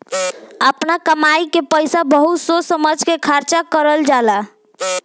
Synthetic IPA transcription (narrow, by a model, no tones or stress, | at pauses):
əpnakəmajkepəjsabəɦut̪sosəməd͡ʒʱkekʰaɾt͡ʃakəɾəld͡ʒala